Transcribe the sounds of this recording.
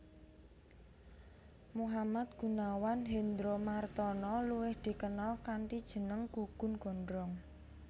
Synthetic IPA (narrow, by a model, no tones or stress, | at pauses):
muɦamat̪̚ɡ̥ṳnawanɦend̪ɾomart̪ɔnɔluwɪhd̪̥i̤kənɔlkanʈid̥ʒ̥ə̤nəŋkuɡ̥ʊ̤nɡ̥ɔ̤ndɾɔŋ